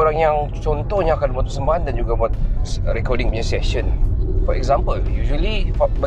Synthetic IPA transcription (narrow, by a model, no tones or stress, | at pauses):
oɾaŋjaŋt͡ʃɔnt̪ɔhɲaakanbãt̪usəmbaandand͡ʒuɡabat̪̚sɾɛkɔdĩŋbiɲəsɛʃənfɔʔɛ̰kzãmpəljuʒuəlifbə